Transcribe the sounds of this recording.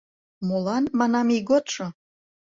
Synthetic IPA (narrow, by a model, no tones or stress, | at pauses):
molɑnmɑnɑmiɣot̪ʃo